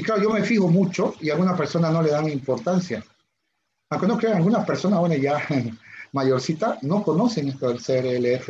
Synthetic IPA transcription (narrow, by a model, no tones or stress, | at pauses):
iklaɾoʝo̞me̞fixo̞mut͡ʃo̞ialɣunapeɾso̞nano̞le̞ðaŋimpo̞ɾt̪ansja | awŋke̞nokɾeŋalɡunaspe̞ɾso̞naswenoʝa | maʝo̞ɾsit̪ano̞ko̞no̞se̞ŋest̪oðelseeɾeeleefe